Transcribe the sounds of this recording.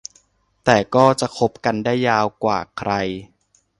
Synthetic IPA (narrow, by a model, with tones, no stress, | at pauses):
t̪ɛː˨˩kɔː˥˩t͡ɕa˨˩kʰo˦˥p̚ka˧ndaː˥˩jːaː˧wkwaː˨˩kʰɾa˧j